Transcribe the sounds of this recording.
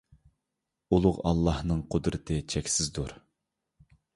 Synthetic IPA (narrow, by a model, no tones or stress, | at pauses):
ulˠʊʁɑ̰lˠːɑhnɨŋqʰʊd̪ɾɨt̪ʰɨt͡ʃʰɛkʲsɪzd̪uɾ